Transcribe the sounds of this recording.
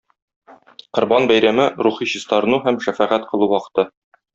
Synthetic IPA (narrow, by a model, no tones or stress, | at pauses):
qŏɾbɑnbæjɾæmɘɾuχiɕist̪ɑɾɤ̆nuɦæmʃæfæʁæt̪qʰɤ̆lˠuwɒqɤ̥̆t̪ɤ